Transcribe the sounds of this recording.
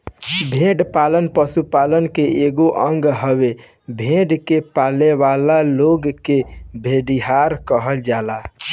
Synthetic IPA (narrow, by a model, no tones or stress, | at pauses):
bʱẽːɖpaːlənpəsupaːlənkeeːɡoʔə̃ŋɡɦəwe | bʱẽːɖkepaːleʋaːlaloːɡkebʱeːɖiɦaːɾkəɦəld͡ʒaːla